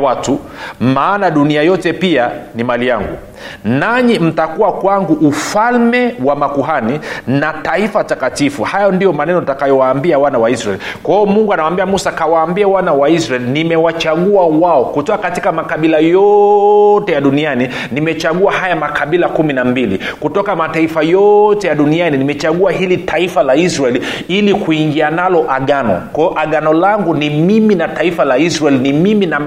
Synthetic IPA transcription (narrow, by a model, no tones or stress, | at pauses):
watu | maːnaɗuniajɔtɛpianimalijaŋɡṵ | naɲim̩takuwakwaŋɡuʔːfalmɛwamakuɦaninataifatakatifuhajɔndijɔmanɛnɔtakajɔwaːmbiawanawaisɾaɛ̰likwahiɔmuŋɡuanawambiamusakawaːmbiawanawaisɾaɛlinimɛwat͡ʃaɠuawaɔkutɔkakatikamakaɓilajɔ | tɛjaɗuniani | nimɛt͡ʃaɠuahajamakaɓilakuminambilḭkutɔkamataifajɔtɛjaɗunianinimɛt͡ʃaɠuahilitʰaifalaisɾaɛli | ilikuiŋɡianalɔʔaɠanɔ̰kaʔaɠanɔlaŋɡunimiminataifalaisɾaɛlnimimina